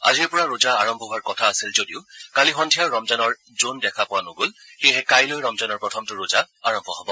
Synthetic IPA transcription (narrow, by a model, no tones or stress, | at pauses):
a̰ziɛpɔɹaɹozaaɹɔmbʱɔɦʊaɹkɔtʰaːsilzodiʊkalixɔndʰʱijaɹɔmzanɔɹ | zondɛkʰapʊwanʊɡolxejɦɛkajlojɹɔmzanɔɹpɹɔtʰɔmtʊɹoza | aɹɔmbʱɔɦɔbɔ